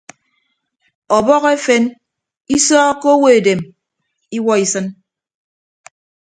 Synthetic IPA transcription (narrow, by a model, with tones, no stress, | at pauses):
ɔ˨bɔ˦ɣe˦fe˦n | i˦sɔː˦ko˦we˨e˨de˨m | i˦wɔ˦i˨sɨ˦n